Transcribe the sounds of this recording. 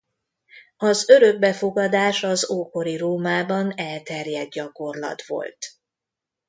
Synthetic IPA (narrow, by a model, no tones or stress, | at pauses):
ɒzø̞ɾø̞ɡ̚bɛfo̞ɡɒd̪aːʃɒzoːko̞ɾiroːmaːbɒnɛlt̪ɛrjɛd̪̚ɟɒko̞rlɒ̰t̪ʋo̞̰lt̪